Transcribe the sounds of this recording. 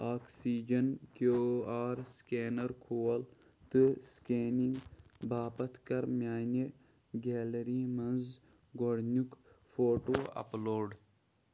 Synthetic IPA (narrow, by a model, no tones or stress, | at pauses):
aːksiːd͡ʒɐnkoːaːɾskeːnɐɾkʰoːɐl | t̪ɨskeːniŋɡbaːpɐt̪ʰkɐɾmʲjaːne | ɡɛːlɐɾiːmɐnz | ɡoɽnʲukfoːʈoːɐ̰ploːɖ